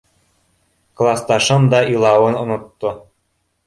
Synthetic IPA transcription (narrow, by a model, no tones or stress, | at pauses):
klˠɑst̪ɑʃɤ̆md̪ɑilˠɑwɤ̆nŏnɤ̆t̪ːɤ̆